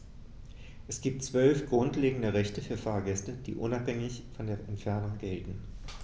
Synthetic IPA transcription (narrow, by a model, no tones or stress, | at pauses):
ʔɛsɡ̥iːp̚tt͡sv̥œlfɡ̥ʁʊntleːɡŋ̩dəʁɛçtəfyːɐfaːɐɡɛstəd̥ḭːʔʊnaphɛŋɪçfɔndeːɐʔɛntfɛɐnʊŋɡɛltn̩